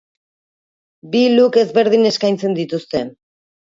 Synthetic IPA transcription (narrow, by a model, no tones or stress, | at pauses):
biluke̞zβe̞ɾð̞ine̞skajnt͡se̞nd̪it̪ust̪e̞